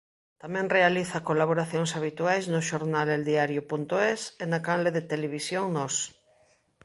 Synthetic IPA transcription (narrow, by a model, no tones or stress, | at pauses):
t̪amɛ̃ŋrealiθakolaβ̞oɾaθjoŋsaβ̞it̪uajznoʃoɾnaleld̪iaɾjopunt̪oesenakanleðet̪eleβ̞isjoŋnos